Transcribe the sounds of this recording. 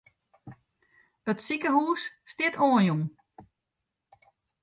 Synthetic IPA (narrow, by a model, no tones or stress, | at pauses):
ətsikəhuːsːtɪtʰoːənjuŋ